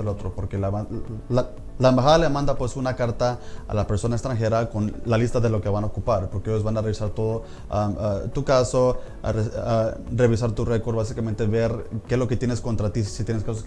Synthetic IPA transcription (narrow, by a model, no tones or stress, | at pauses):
elot̪ɾo̞po̞ɾke̞laaa | laembaxaðalemãnd̪apwe̞sunakaɾt̪aa̰lape̞ɾso̞naekst̪ɾaŋxe̞ɾako̞nlalist̪aðe̞lo̞keβanaokupaɾpo̞ɾkeejozβanare̞βisaɾt̪o̞ðo | amat̪ukaso̞rare̞β̞is̬aɾt̪ure̞ko̞ɾd̪βasikament̪e̞βeɾkezlo̞ket̪jenesko̞nt̪ɾat̪isit̪jeneskasos